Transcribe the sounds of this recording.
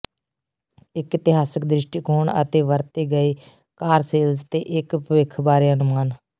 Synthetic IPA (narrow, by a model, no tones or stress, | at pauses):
ɪkɪt̪ɪɦaːsək̚d̪ɾɪʃʈiːkoːɳə̰t̪eːʋəɾt̪eːɡəiː | kaːɾseːld͡ʒt̪eːʔɪkpʋɪkʰbaːɾeːənʊmaːn